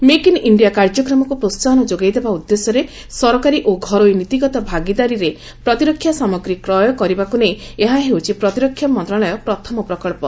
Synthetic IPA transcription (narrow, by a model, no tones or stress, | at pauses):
mekiniɳɖijakaɾd͡ʒɔkɾɔmɔkupɾost̪anɔd͡ʒoɡajd̪ebaud̪ːesɔɾe | sɔɾɔkaɾiʔoɡʱɔɾojnit̪iɡɔt̪ɔbʱaɡid̪aɾiɾe | pɾɔt̪iɾɔkʰːjasamɔɡɾikɾɔjɔkɔɾibakuneeɦaɦewt͡ʃʰipɾɔt̪iɾɔkʰːjamɔnt̪ɾaɭɔjɔpɾɔt̪ʰɔmɔpɾɔkɔɭpɔ